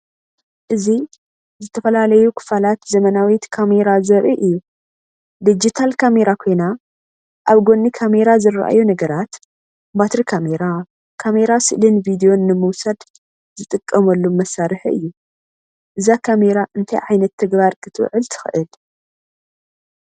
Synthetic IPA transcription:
ʔɨzi | zɨt̪ʰɐfɐlalɐjukʰɨ̥falat̪zɐmɐnawit̪kʰame̞ɾazɐɾʔiʔɨjːu | d̪id͡ʒit̪ʰalkʰame̞ɾakʰo̞jna | ʔaβɡo̞nːikʰame̞ɾazɨra̰ʔa̰junɐɡɐɾat̪ | bat̪ɾikʰameɾa | kʰame̞ɾasɨʔlɨnvid̪ijo̞nːɨmɨwsad̪ | z̥ɨt̪ʼɨkʼːɐmɐlːumːɐsːaɾɨħʔɨ̰jːu | ʔɨzakʰame̞ɾaʔɨnt̪ʰajʕajnɐt̪ʰːɨɡbaɾkʰɨt̪ʰɨw̰ʕɨlt̪ʰɨ̥xɨ̰ʔɨl

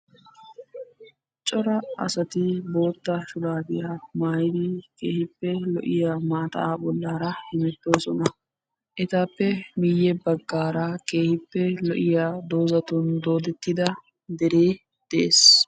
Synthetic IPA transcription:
t͡ʃʼɔɾɐɐ̰sɐt̪ɪbo̞ːt̪ːɐʃʊd̪aːd̪ɪjamaːjɪd̪ɪke̞ːhɪpːɛlɔʔɪjaːmaːt̪ɐ̰aːbɔlːaːɾɐhɪmɛt̪ːo̞ːsɔnɐ | ʔɛt̪aːpːɛmɪjːɛbɐɡːaːɾɐke̞ːhɪpːɛlɔʔɪjaːd̪o̞ːzɐt̪ɔnd̪o̞ːd̪ɛt̪ːɪd̪ɐ | d̪ɛɾeː | d̪̥ɛʔḛːs

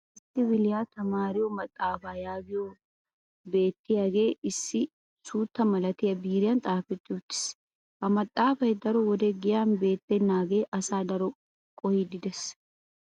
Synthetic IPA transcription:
ʔɪsːɪwɪlɪjaːt̪ɐmaːɾɪjɔmɐt̪ʼːaːfaːjaːɡɪjo | be̞ːt̪ːɪjaɡe̞ːɪsːɪ | suːt̪ːɐmɐlɐt̪ɪjɐbiːɾɪjant̪ʼaːfɪt̪ːɪʊt͡ʃːɪ̥s | hɐmɐt̪ʼːaːfɐjd̪ɐɾɔwɔd̪ɛɡɪjaːnbe̞ːt̪ːɛnːaːɡeːʔɐsaːd̪ɐɾɔ | kʼɔhɪd̪ɪd̪ɛs

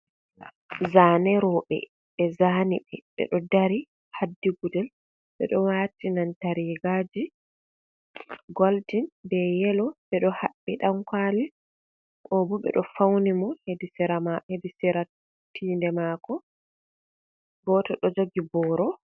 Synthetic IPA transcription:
zaːnɛɾɔɓɛ̰ | ɓɛzaːniɓɛɓɛ̰ɗɔdaɾi | hadːiɡudɛl | ɓɛ̰ɗɔwaːtinantaɾiɡaːd͡ʒi | ɡoltinbɛjɛlɔɓɛɗɔhaɓːiɗamkaːli | kɔbɔɓɛ̰ɗɔfawnimɔhedisiɾamahedisiɾa | tiːndɛmakɔ | ɡɔtɔɗɔd͡ʒoɡibɔːɾɔ

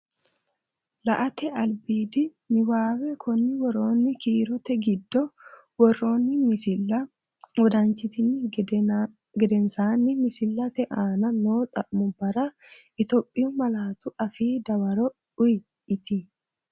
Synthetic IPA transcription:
lɐʔɐt̪ɛɐlbiːd̪ɪ | nɪwaːwɛkʰɔnːɪwɔɾoːnːɪkiːɾɔt̪ɛɡɪd̪ːɔ | wɔrːo̞ːnːɪmɪsɪlɐ | wɔd̪ɐnt͡ʃɪt̪ɪnːɪ | ɡɛd̪ɛnsaːnːɪmɪsɪlːɐt̪ɛʔaːnɐnoːt̪ʼɐʔmʊbɐɾɐʔɪt̪oːpʼːɪjʊmɐlaːt̪ʊʔɐfiːd̪ɐwɐɾɔ | ʊj | ɪt̪ɪ

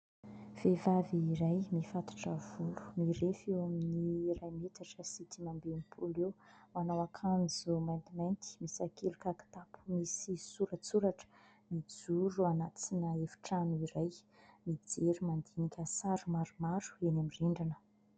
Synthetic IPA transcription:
v̥evaviːɾajmifat̪ḁʈ͡ʂəvulu̥miɾefewaminirajmet̪aʈ͡ʂəsit̪imambenipʰulewmanawakʰand͡zumajnt̪imajnt̪i̥misakʰelukaki̥t̪apu̥misisuɾət͡suɾaʈ͡ʂə̥ | mid͡zuɾuanat͡sinəefi̥ʈ͡ʂanuiɾaj | mid͡zeɾumand̪enikʲəsaɾumaɾumaɾu̥enamiriɳɖ͡ʐinə̥

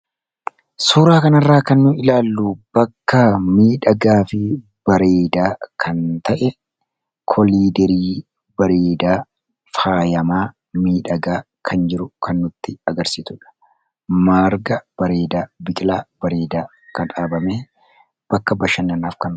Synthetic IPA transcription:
suːɾaːkɐnɐrːaːkɐnːʊɪlaːlːub̥ɐkːɐmiːᶑɐɡaːfɪ | b̥ɐɾe̞ːd̪aːkʰɐnt̪ɐʔɛ | kʰɔliːd̪ɛɾiː | bɐɾeːd̪aː | faːjɐmaː | miːᶑɐɡaː | kʰɐnd͡ʒɪɾʊkʰɐnːʊt̪ːɪɐɡɐɾsiːt̪ʊᶑɐ̥ | maːɾɡɐb̥ɐɾe̞ːd̪aːbɪkʼlaːbɐɾe̞ːd̪aː | kɐnᶑaːbɐmeː | b̥ɐkːɐbɐʃɐnːɐnaːfkɐn

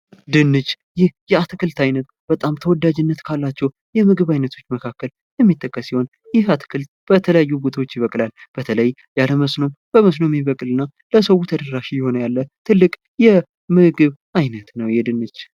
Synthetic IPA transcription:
d̪ɨnːɨt͡ʃː | jɪhjɛat̪ʰɨkʰɨlt̪ʰajnət̪̚ | b̥ət̪ʼamt̪ʰəwɔd̪ːad͡ʒɪnːət̪kʰalːat͡ʃːɛw | jɛmɨɡɨβajnət̪ʰo̞t͡ʃːməkʰakːəl | jɛmːit̪ʰːəkʼːəsiho̞n | jɪhat̪ɨ̥kʰɨlt̪̚b̥ət̪ʰələjajːubot̪ʰwot͡ʃːɪβəkʼlalb̥ət̪ʰələj | jaləməsno̞mb̥əməs̬no̞mɪβəkʼlɨnːa | ləsəwut̪ʰəd̪əɾaʃijɪho̞nəjalːət̪ʰɨlːɨkʼ | jɛ | mɨɡɨβ | ajnət̪nəwjɛd̪ɨnːɨt͡ʃ

